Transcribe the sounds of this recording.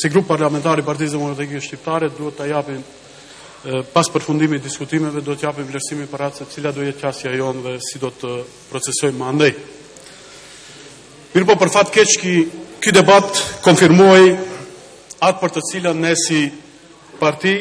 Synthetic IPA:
siɡɾupːaɾlamɛnt̪aɾipaɾt̪̬iz̬d̪ɛmɔkɾat̪ikiʃcip̚t̪aɾɛd̪uhɛt̪ːajapin | paspəɾfund̪imid̪iskut̪imɛvɛd̪uhɛt̪əjapimvlɛɾsimipəɾasɛt̪ət͡silad̪uɛjɛt̪asjajɔnðɛsid̪ɔt̪ə | pɾɔt͡sɛsɔjmand̪ɛj | miɾpɔpəɾfat̪kɛt͡ʃkikyd̪ɛbat̪kɔnfiɾmɔj | at̪̚pəɾt̪ət͡silanɛsi | paɾt̪i

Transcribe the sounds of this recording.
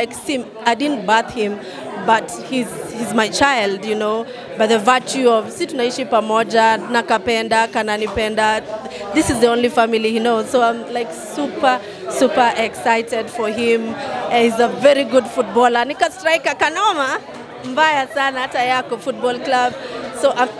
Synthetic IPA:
aɪksĩm | aɪdɪdⁿn̩baθhɪ̃m | bʌt | hizhizmaɪt͡ʃaɪlˠdjunoʊ | baɪðəva˞t͡ʃuʌv̥situnaiʃipamɔd͡ʒanakapɛndakananipɛnda | ðɪsɨzðiõʊ̃nlifamilihinoʊzsoʊãɪ̃mlaɪksupə˞ | supə˞ʔɛksaɪtɛdfə˞ɪ̃m̃hizəvɛɹiɡʊdfut̚bɔlənikastɹaikakanɔma | mbajasanahatajakɔfut̚bɔlˠklab̚soʊʔa

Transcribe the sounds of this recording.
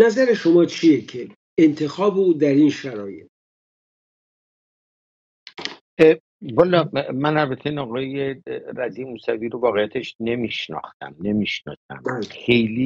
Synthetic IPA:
næzæɾeʃomɒːt͡ʃʰijecʰeː | nt̪ʰe̞xɒːbeuːd̪æɾinʃæɾɒːjḛt̪ | bɒlɒmænælbæt̪ʰenɒːɣɒːjeɾæziːmuːsæviːɾovɒːɣejːæt̪ʰeʃne̞miʃnɒ̰xt̪æ̰mne̞miʃnɒ̰ːsæ̰mxejli

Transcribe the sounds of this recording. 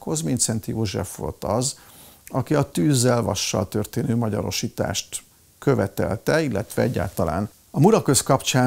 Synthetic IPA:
kʰo̞zmint̪sɛnt̪ijoːʒɛ̰fʋo̞̰lt̪ɒz | ɒkiɒt̪yːzːɛlvɒ̰ʃːɒ̰lt̪ø̞rt̪eːnøːmɒɟɒɾo̞ʃiːt̪a̰ːʃt̪ | kø̞vɛt̪ɛlt̪ɛilːɛt̪ʋɛɛɟːa̰ːlt̪ɒla̰ːn | ɒmuɾɒkøskɒpt͡ʃaː

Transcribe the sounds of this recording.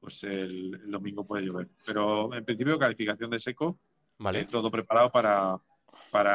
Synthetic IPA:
pweseleld̪o̞mĩŋɡo̞pwe̞ð̞ejoβ̞e̞ɾpe̞ɾo̞e̞mpɾin̟θipjo̞kalifikaθjo̞nd̪e̞se̞ko | aet̪o̞ðo̞pɾe̞paɾaopaɾa | paɾa

